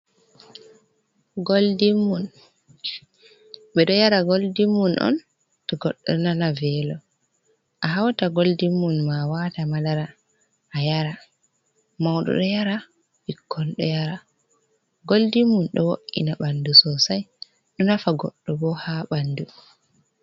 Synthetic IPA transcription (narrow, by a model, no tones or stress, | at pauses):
ɡoldimːun | ɓɛɗɔjaɾaɡoldimːunʔɔ̰n | tɔɡɔɗːɔnanavɛlɔ | ʔaɦawtaɡoldimːunmawatamalaɾa | ʔːjaɾa | mawɗɔ̰ɗɔjaɾa | bikʰːɔnɗɔ̰jaɾa | ɡoldimːunɗɔ̰woʔːḭnaɓandusɔsaj | ɗɔnafaɡɔɗːɔbɔhaɓandu